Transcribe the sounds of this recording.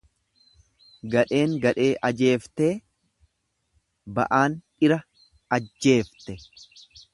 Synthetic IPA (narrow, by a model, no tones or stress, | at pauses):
ɡɐᶑe̞ːŋɡɐᶑe̞ːʔɐd͡ʒe̞ːft̪e̞ː | bɐ̰ʔaːn | ɪɾɐ | ɐd͡ʒːe̞ːft̪ɛ